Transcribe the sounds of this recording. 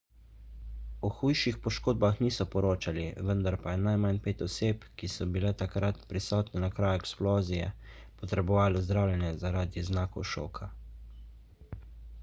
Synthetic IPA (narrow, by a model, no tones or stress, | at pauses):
ɔxujʃixpɔʃkoːd̪̚baxniːsɔpɔɾoːt͡ʃaliʋənd̪aɾpajɛnajmanpeːt̪ɔseːpkisɔbilɛt̪akɾat̪pɾisɔːt̪nɛnakɾaːjɛksploːzijɛ̰ | pɔt̪ɾɛbɔʋaːlɔzd̪ɾawlʲjɛnjɛzaɾaːd̪iznaːkɔ̰wʃo̰ːkʰa